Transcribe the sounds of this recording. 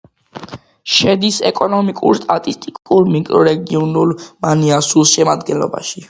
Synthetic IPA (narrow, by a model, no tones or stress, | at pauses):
ʃɛd̪isɛ̰kʼɔnɔmikʼṵɾst̪ʼat̪ʼist̪ʼikʼuɾmikʼɾɔɾɛɡiɔnulˠmaniasulˠʃɛmad̪ɡɛnlɔ̰ba̰ʃi